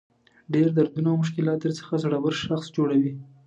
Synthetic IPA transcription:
ɖeɾd̪aɾd̪unawmʊʃ̬kɪlɑt̪̚d̪əɾt͡sə̥xazɽawəɾʃaxsd͡ʒoɽawi

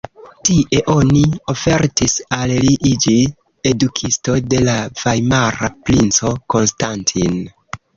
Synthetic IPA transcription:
tiʔe̞ʔo̞nio̞fe̞ɾtisalliʔid͡ʒi | edukʰisto̞de̞lav̥ajmaɾapɾint͡so̞ko̞nstantʰin

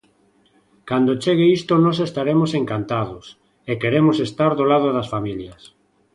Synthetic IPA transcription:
kand̪ot͡ʃeɣeist̪onos̬est̪aɾemosẽŋkant̪að̞os | ekeɾemosest̪aɾðolaðoðasfamiljas

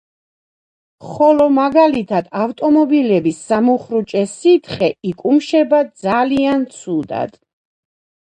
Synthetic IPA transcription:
χɔlɔmaɡalit̪ʰad̪aft̪ʼɔmɔbilɛbisːamuχɾut͡ʃʼɛsit̪ʰχɛikʼumʃɛbad̪zaliant̪sʰud̪a̰d̪̥

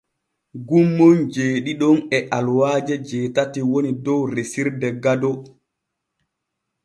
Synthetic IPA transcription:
ɡumːɔnd͡ʒeːɗiɗɔnɛʔalwaːd͡ʒɛd͡ʒɛːtatiwonidɔwɾesiɾdɛɡadɔ

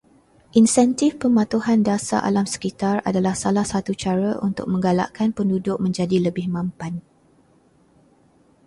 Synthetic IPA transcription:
ʔinsɛnt̪ɪfpəmãt̪uhandasa̰ʔa̰lamsə̥kit̪ara̰dalahsalahsat̪ut͡ʃaɾaʔṵnt̪ʊ̰k̚mə̃ŋɡala̰ʔkʰanpəndudʊk̚mə̃ɲd͡ʒadiləbɪhmãmpan

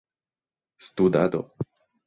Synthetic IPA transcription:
st̪ud̪a̰d̪o̰

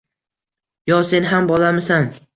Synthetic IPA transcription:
jɒse̞nɦambɒlamɪsan

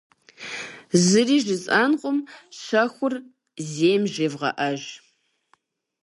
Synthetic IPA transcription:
zɨriːʒɪzʼɐnqʷʼʊmɕɐxʷʊr | zeːmʒeːvʁɐ̰ʔɐʒ

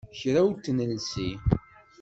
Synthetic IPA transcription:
çɾæwt̪ːnəlsi

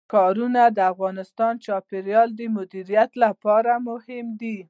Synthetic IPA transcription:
kɑɾunad̪əafɣɑnɪst̪ɑnt͡ʃɑpɪɾjɑld̪əmʊd̪iɾijat̪lapɑɾamʊhɪmd̪i

